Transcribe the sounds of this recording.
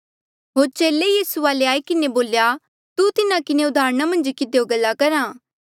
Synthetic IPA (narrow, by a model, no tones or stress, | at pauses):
ɦoːɾt͡ʃeːlejiːsuaːleaːikɪneboːlja | t̪ut̪ɪnãkɪneʊd̪ʱaːɾɽ̃amɐ̃nd͡ʒkɪd̪ejoɡɐlːakɐɾãː